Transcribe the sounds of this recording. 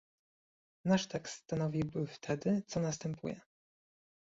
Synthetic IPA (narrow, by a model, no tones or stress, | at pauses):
naʂt̪ɛkst̪st̪anɔvʲibɘft̪ʰɛd̪ɘt̪sɔnas̬t̪ɛmpʰṵjɛ